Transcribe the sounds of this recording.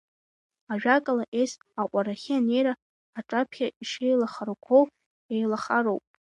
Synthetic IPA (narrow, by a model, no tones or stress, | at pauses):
aʒᶣakʼalaʔejs | aqʷʼaɾaχʲiane̞jɾaː | ʈ͡ʂʼapʰχʲaiʂejlaχaɾokʷʰow | ejlaχaɾowpʼ